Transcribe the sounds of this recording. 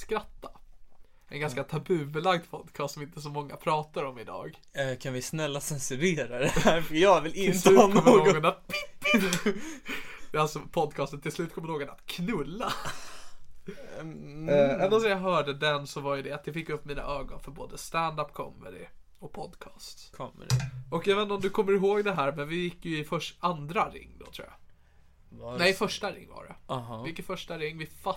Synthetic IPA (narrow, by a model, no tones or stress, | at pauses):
skɾat̪ːḁ | ʔɛnɡanskat̪ʰabʉ̟bəlaɡd̪pʰɔd̪kʰɑːst̪sɔmɪnt̪əs̬ɔmɔŋːa̰pʰɾɑːt̪aɾɔmɪd̪ɑ̰ːɡ | kʰanvɪsnɛlːasɛnsʉɾeːɾad̪ɛhæɾfjɑːvɪlɪnsʉːnk̪ɔmːəːoːɡɔnat̪̚pʰɪp̪ː | ɛalsɔpʰɔd̪kʰɑːst̪ənt̪ʰɪlslʉ̟ːt̪kʰɔməɳoːɡɔna̰t̪kʰnɵlːa | ɛnɔsɛjɑɦœːɖəd̪ɛnsɔvajɵd̪ɛat̪̚j̪ɑfɪkːɵpːmiːna̰ʔœːɡɔnfœɾboːd̪əst̪ænd̪apːkʰɔ̰mːɛ̰d̪ɪ̰ | ɔk̚pʰɔd̪kʰɑːst̪ʰ | ɔkjaveːnaɔmd̪ɵkʰɔmːəɾɪɦoːɡd̪ɛɦæːɾmɛnvɪjɪkːjɵɪfœʂand̪ɾaɾɪ̰ŋːd̪ɔ̰t̪ʰɾṵːja̰ | nɛɪfœʂʈaɾɪ̰ŋːva̰ɾɖɛ̰ɦvɪkːət̪fœʂʈaɾɪŋːvɪfa